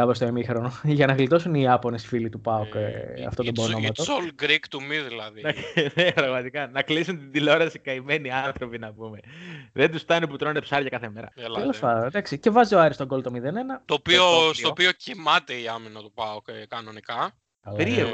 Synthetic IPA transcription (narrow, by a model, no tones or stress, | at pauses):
ɐpɾost̪oemixɾonoʝɐnɐɣlit̪o̞suniɐpo̞nesfilit̪upɐokɐ̰ft̪ot̪obonomɐt̪osolɡɾikt̪umiðilɐðinɐnepɾɐɣmɐt̪ikɐnɐklisunt̪id̪ilo̞ɾɐsikɐime̞niɐnθɾo̞pinɐpume̞ðend̪usft̪ɐneput̪ɾonepsɐɾʝɐkɐθeme̞ɾɐ̰elɐlɐɐd̪ɐksice̞vɐzioɐɾist̪oɡo̞lt̪o̞miðe̞ne̞nɐt̪opiosopiocimɐt̪eiɐminɐt̪upɐokkɐno̞nikɐ | ɐlɾie